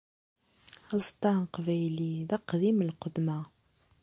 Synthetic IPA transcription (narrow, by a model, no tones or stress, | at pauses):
ɑzt̪ːɑqvæjliðæqd̪iməlqəd̪ma